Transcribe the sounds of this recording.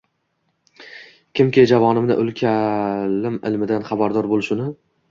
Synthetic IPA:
kʲʰɪmkʲʰed͡ʒavɒnɪmnɪ̰ʔʊlˠkʲʰalɪmɪ̰lmɪd̪anχɑbaɾd̪ɒɾbolɪʃʊnɪ

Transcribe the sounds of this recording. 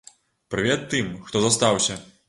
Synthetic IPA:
pɾɨvʲɛt̪ːɨmxt̪ɔzast̪awsʲɐ

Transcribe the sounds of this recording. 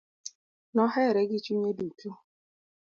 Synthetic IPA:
nɔɦɛɾeɡɪt͡ʃuɲeduku

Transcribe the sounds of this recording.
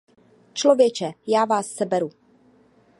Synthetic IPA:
t͡ʃlo̞vjɛt͡ʃɛjaːvaːsːɛbɛɾu

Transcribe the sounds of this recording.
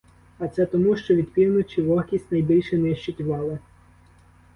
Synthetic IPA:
ɐt̪sɛt̪ɔmuʃt͡ʃɔʋʲid̪pʲiwnʊt͡ʃiʋɔhkʲisʲtʲnɐjbʲilʲʃɛnɪʃt͡ʃɪt̪ʲʊʋɑlˠɪ

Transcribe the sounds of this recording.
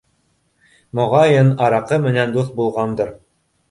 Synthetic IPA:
mŏʁɑjɤnɑɾɑqɤmɘ̆nænd̪uθbulˠʁɑnd̪ɤ̆ɾ

